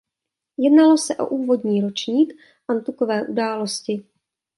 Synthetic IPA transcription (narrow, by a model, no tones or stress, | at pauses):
jɛdnalo̞sɛʔo̞̰ʔuːvo̞dɲiːɾo̞t͡ʃɲiːk | ʔant̪ukovɛːʔudaːlo̞scɪ